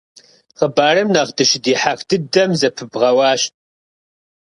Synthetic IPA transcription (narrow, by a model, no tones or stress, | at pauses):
ʁəbaːrɨmnaʁdɨʃɪdiːħaːxdʰɨdɐmzɐpʰɨbʁɐwɑːʃtʼ